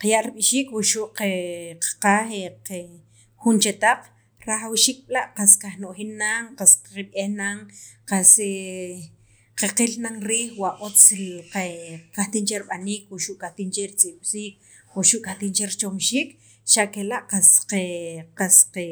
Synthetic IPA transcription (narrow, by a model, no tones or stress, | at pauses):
qajaʔɾiɓiʃiːkwuʃuʔqeqḁqaːxeqe | xunt͡ʃet̪aq͡χ | ɾaχawʃiːk̚ɓlaʔqaskaxnoʔxinːaŋqasiɓehnaŋqase | qeqilnaŋɾiːxwaʔot͡slqekaht̪int͡ʃeɾiɓaniːkwuʃuʔkʼaht̪int͡ʃeɾit͡sʼiɓ̥siːk̚ | wuʃuʔkʼaht̪iːnt͡ʃeɾit͡ʃomʃiːk | ʃaʔkelaʔqasqeqasqe